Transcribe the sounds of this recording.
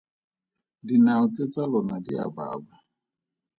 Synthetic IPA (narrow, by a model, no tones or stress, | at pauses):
dinaut͡sʼet͡sʼalɔnadḭa̰ba̰ːba